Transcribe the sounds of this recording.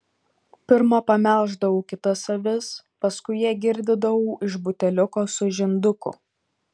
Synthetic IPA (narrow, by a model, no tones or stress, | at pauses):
pʲɪɾmɐpɐmʲæˑlˠʒd̪ɐʋuːkʲɪt̪ɐsɐʋʲɪs | pɐskʊɪjiɛɡʲɪɾʲd̪ʲɪd̪ɐʋuːʔɪʒbʊt̪ʲɛlʲʊkoːsʊʒʲɪnd̪ʊkʊ̰